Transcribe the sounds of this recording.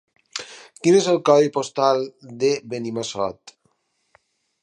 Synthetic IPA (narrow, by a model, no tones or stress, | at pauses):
kinezelˠkɔðipost̪ald̪eβenimasɔ̰t̪